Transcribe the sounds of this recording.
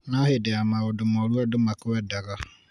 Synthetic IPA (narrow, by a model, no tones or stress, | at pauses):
nãhɪdɛamaʊdʊmɔɾuadʊmakʊwɛdaɡa